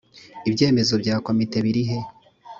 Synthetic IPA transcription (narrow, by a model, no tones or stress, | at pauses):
ibɟe̞ːme̞zo̞bɟaːko̞mite̞βiɾiɦe̞